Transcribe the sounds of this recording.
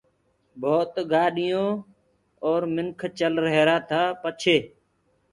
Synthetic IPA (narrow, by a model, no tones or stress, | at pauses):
bʱoːt̪ɡaːɗɪjõː | oːɾmɪŋkʰt͡ʃəlɾəɦeːɾaːt̪ʰaːpət͡ʃʰeː